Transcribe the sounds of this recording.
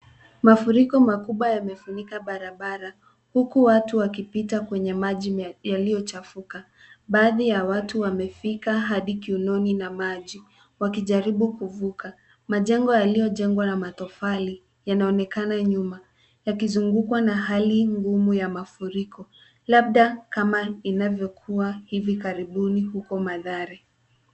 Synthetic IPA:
mafuɾikɔmakuɓwajamɛfuɲikaɓaɾaɓaɾa | hukuwatuwakipitakwɛɲɛmaʄijalijɔt͡ʃafuka | ɓaːðijawatuwamɛfikaɦaɗikiunɔninamaʄi | wakiʄaɾiɓukuvuka | maʄɛŋɡɔjalijɔʄɛŋɡwanamatɔfali | janaɔnɛkanaɲuma | jakizuŋɡukwanaɦaliŋɡumujamafuɾikɔ | laɓ̚ɗakamainavjɔkʰuwahivikaɾiɓunihukɔmaðaɾi

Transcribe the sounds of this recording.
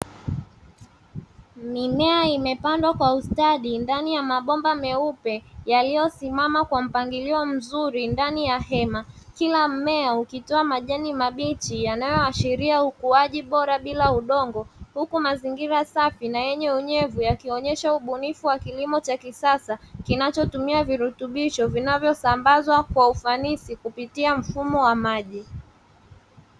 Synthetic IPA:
mimɛaimɛpandwakwaustaɗindanijamaɓɔmbamɛupɛjalijɔsimamakwam̩paŋɡiliɔm̩zuɾindanijahɛmakilam̩mɛaukitɔamaʄɛnimaɓit͡ʃijanajɔaʃiɾiaukuaʄiɓɔɾaɓilauɗɔŋɡɔhukumaziŋɡiɾasafinajɛɲɛuɲɛvujakiɔɲɛʃauɓunifuwakilimɔt͡ʃakisasakinat͡ʃɔtumiaviɾutuɓiʃɔvinavjɔsambazwakwaufanisikupitiam̩fumɔwamaʄi

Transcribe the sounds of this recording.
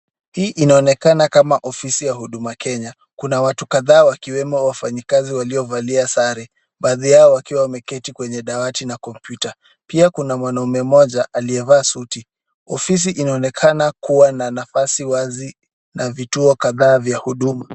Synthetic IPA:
hiːʔinaɔnɛkanakamaʔɔfisijahuɗumakʰɛɲa | kunawatukaðaːwakiwɛmɔwafaɲikaziwaliɔvaliasaɾɛ | ɓaːðijaɔwakiwamɛkɛtikwɛɲɛɗawatinakɔmpjuta | piakunamwanaumɛmɔʄaʔaliɛvaːsuti | ɔfis̬iʔinaɔnɛkʰanakuwananafasiwazi | navituɔkaðaːvjahuɗuma

